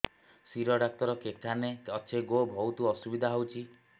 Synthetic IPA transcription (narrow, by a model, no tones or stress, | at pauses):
siɾɔɖak̚t̪ɔɾɔkekʰaneɔt͡ʃʰeɡobʱɔwt̪uɔsubid̪ʱaɦowt͡ʃʰi